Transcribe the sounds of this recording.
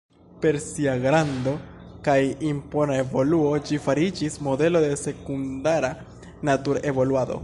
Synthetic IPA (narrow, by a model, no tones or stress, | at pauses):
pe̞ɾsiaɡɾando̞kajimpo̞nae̞vo̞luo̞d͡ʒifaɾid͡ʒismo̞de̞lo̞de̞se̞kundaɾa | natuɾe̞vo̞luado̞̰